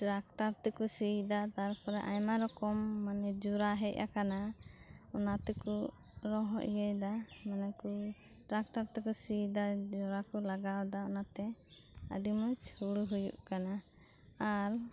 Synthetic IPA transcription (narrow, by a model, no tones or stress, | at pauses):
ʈɾak̚ʈaɾt̪ɛkusid̪at̪aɾpɔɾɛʔajmaɾɔkɔmːanɛd͡ʒuɾaɦɛc̚a̰kana | ɔnat̪ɛku | ɾɔɦɔ̰ʔjɛjd̪amanɛku | ʈɾak̚ʈaɾt̪ɛkusid̪ad͡ʒɔɾakɔlaɡawd̪aɔnat̪ɛa̰dimut͡ʃhuɽuɦujṵʔkanaː | ɾ